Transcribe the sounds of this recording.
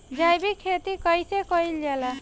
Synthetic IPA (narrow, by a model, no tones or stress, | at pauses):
d͡ʒajbikʰːet̪ikɔjsekɔild͡ʒala